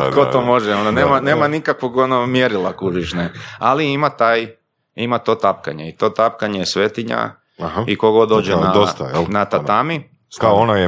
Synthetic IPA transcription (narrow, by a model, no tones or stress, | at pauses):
kot̪omo̞ʒeonaneːmaneːmanikakʋoɡonomjeɾilˠakuʒiʃnealiimat̪aːj | imat̪o̞t̪ap̚ka̰ɲeit̪o̞ːt̪ap̚kaɲejesʋet̪iɲa̰ | haikoɡod̪oːd͡ʒenad̪ost̪anat̪at̪ami | k̪aonaje